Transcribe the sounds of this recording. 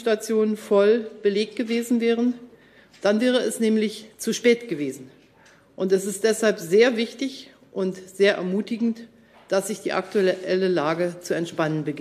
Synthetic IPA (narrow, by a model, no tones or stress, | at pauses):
ʃtat͡sjoːnənfɔlb̥əleːk̚t̚ɡ̥əveːzn̩vɛːʁ̞ən | d̥anvɛːʁ̞əɛsnɛːmlɪçt͡suʃpɛːtɡ̥əveːzn̩ | ʔʊntɛsɪstd̥ɛshalpzeːɐvɪçtɪç | ʔʊntz̥eːɐʔɛ̰ɐmuːtɪɡŋ̩t | d̥asz̥ɪçd̥ḭːʔa̰k̚tuɛʔɛləlaːɡət͡suɛntʃpanənbəɡ